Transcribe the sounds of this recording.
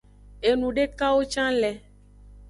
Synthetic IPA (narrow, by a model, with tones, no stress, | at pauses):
e˨nũ˨ɖe˦ka˦wo˦t͡ʃã˦lɛ˨